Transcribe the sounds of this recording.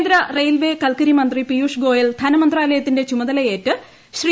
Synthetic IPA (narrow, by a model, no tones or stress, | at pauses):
nd̪ɾɐrejlʋe̞ːkɐlkɐɾimɐnd̪ripijuːʂɡo̞ːjɐld̪ʱɐnɐmɐnd̪raːlɐjɐt̪ːinde̞t͡ɕumɐðɐlɐje̞ːtːɨ | ɕri